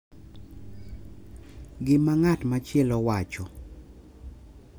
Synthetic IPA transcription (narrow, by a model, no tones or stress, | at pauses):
ɡɪmaŋatmat͡ʃɪɛlɔwat͡ʃɔ